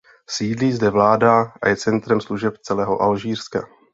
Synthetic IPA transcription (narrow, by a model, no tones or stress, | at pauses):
siːdliːzdɛvlaːdaʔa̰jɛt͡sɛnt̪ɾɛmsluʒɛpt͡sɛlɛːɦoʔalʒiːrska̰